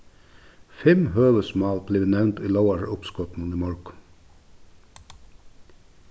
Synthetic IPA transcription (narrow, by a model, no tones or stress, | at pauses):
fɛmhøːʋəsmɑːlb̥leːnɛʋnt̪iːloʊɑɹʊpskɔt̪n̩niːmɔɹk